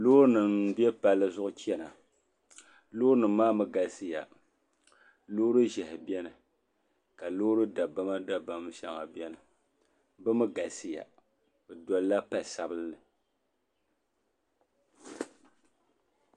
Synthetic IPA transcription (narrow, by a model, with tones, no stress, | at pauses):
loː˦ɾnɨ˨m˦bi˦ɛ˦pa˨lːɨ˦zʊ˦ʔʊ˦t͡ʃɛ˦na˨ | loː˦ɾnɨ˨mː˦aː˦mɨ˦ɡa˨sɨ˦ja˨ | lo˦ɾɨ˦ʒɛ˨hɪ˨bi˦ɛ˦nɨ˨ | ka˨lo˦ɾɨ˦da˨ba˦ma˦da˨ba˨m˦ʃa˨ŋa˨bɛ˦nɨ˨˦ | bɨ˦mɨ˦ɡa˨sɨ˦ja̰˨ | bɨ˨dɔ˨lla˦pa˨sa˨bɨ˦lːɨ˨